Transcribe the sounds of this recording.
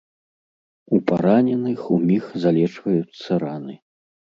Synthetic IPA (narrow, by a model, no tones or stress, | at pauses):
upaɾanʲɛnɨxumʲixzalʲɛt͡ʂvɐjut̪sːɐɾanɨ